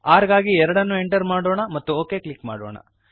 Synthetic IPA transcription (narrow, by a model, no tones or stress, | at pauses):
aːɾɡaːɡiɛɾɐɽɐnːueɳʈɐɾmaːɽoːɳɐmɐt̪ːuoːke̞ːkɭikma̰ːɽo̰ːɳɐ̰